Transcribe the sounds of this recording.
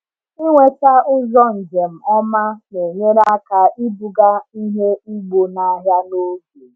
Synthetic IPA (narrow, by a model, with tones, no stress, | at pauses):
i˦ŋʷe˦ta˦ʊ˦zɔ˦n̩˨d͡ʒe˨m̩˨ɔ˦ma˦ne˨ɲe˦ɾa˦ka˨ʔi˦bʊ˨ɡa˦i˦ɦe˦i˦ɡ͡bo˨na˦ɦja˦no˦ke˨